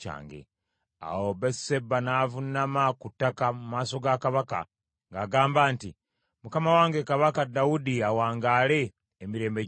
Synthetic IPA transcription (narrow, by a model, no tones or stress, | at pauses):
a̰ːŋɡḛ | a̰woβese̞bːanaːvunamakutːakamumaːso̞ɡakaβaka̰ | ŋɡaːɡaːmbaːnti | mukamawaːŋɡekaβakadaudiawaːŋɡaːle̞ː | miɾe̞ːmbe̞